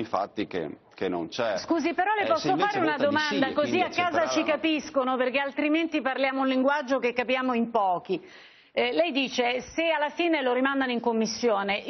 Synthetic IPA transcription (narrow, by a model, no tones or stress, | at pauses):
iɱfa̰t̪ːikḛ | kenːo̰nt͡ʃɛskuːzipeɾɔlepɔsːofaːɾeunad̪omand̪akoziakːaːzat͡ʃikapiskonoperkealt̪ɾiment̪iparljaːmouliŋɡwad͡ʒːokekːapjaːmoimpɔːk̟i | lɛjd̪iːt͡ʃesealːafiːneloɾimand̪anoiŋkomːisːjoːne